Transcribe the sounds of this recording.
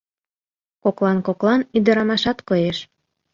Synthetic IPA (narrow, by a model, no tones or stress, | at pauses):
koklɑnkoklɑnyd̪ə̆ɾɑmɑʃɑt̪kojeʃ